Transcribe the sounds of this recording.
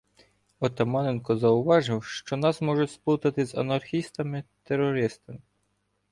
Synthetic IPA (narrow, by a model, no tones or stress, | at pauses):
ɔt̪ɐmɑnɛnkɔzɐʊʋɑʒɪwʃt͡ʃɔnɑsmɔʒʊt͡sʲspˠut̪ɐt̪ɪzɐ̰nɐrxʲist̪ɐmɪt̪erːɔɾɪst̪ɐmɪ